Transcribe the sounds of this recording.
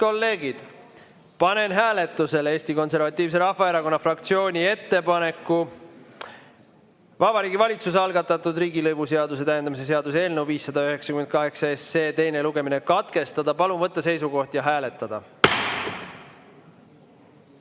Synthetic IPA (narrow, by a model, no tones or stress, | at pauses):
ko̞lːe̞ːɡ̥id̪̥ | pɑne̞nɦæːle̞t̪ːˑuse̞le̞ːst̪iko̞nse̞rvɑt̪ʲːˑiːvs̬eɾɑhvɑe̞ɾɑko̞nːɑfrɑk̚t̪sio̞ːnʲie̞t̪ːe̞pɑne̞kːˑu | vɑb̥ɑɾiːɡivɑlʲit̪susɑlɡ̥ɑt̪ːˑɑt̪ːˑud̪riːɡilɤjvuse̞ɑd̪us̬e̞t̪æjend̪ɑmise̞s̬e̞ɑd̪̥use̞ːlnewviːsːɑd̪ɑyɦe̞ksɑ̥kymend̪̚kɑɦe̞ksɑeseːt̪e̞jne̞luɡe̞mine̞kɑt̪ke̞st̪ɑd̪̥ɑpɑlumvɤt̪ˑːɑse̞jsuɡo̞ht̪jɑɦæːle̞t̪ːˑɑd̪̥ɑ